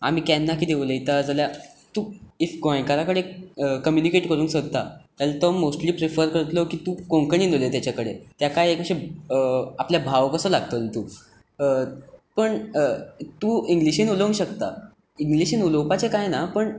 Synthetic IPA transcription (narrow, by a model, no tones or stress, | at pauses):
a̰m̤iːkanːakiːd̪eʋləjt̪ad͡zalja | t̪uːifɡoẽkaɾakəɽekəmjunikeʈkəɾuːnsəɡ̚t̪a̰t̪alt̪omosʈliːpɾifəɾkəɾt̪lɔkiːt̪ũːkõŋkəɳ̃inolet̪jat͡ɕakəɽet̪jakajekəɕe | apljabʱaʋkəsəlaɡt̪əlt̪uː | pəɳ | t̪uːiŋɡliɕenuləʋŋɡɕək̚t̪a̰ | iŋɡliɕenuləwpat͡sekajnapəɳ